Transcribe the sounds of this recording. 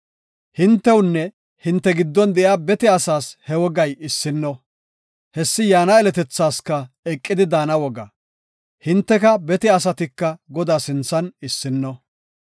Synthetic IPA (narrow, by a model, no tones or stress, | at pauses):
hɪnt̪ːɛwʊnːɛ | hɪnt̪ːɛɡɪd̪ːɔnd̪ɛʔjaːbɛt̪ɪɐsaːshɛwɔɡɐjɪsːɪnːɔ | hɛsːɪjaːnɐɛlɛt̪ɛt͡sːaːskɐ | ɛkʼːɪd̪ɪd̪aːnɐwɔɡɐ̰ | hɪnt̪ːɛkɐbɛt̪ɪɐs̬ɐt̪ɪkːɐɡɔd̪aːsɪnt͡sːɐnɪsːɪnːɔ